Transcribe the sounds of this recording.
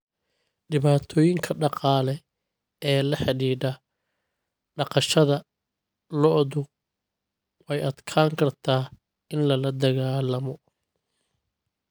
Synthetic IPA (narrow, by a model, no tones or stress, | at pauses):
ɖɪβaːt̪ʰɔːjɪŋkʰɐɖɑqɑːlɛ | ɛːlɐħɑɽiːdɐ | ɖɑqɑʃɐðɐ | lɔʔðʊ | wʔɛjɐd̪kʰaːŋkʰɐrt̪ʰaː | ɪnlɐlɐd̪ɐɣaːlɐmɔ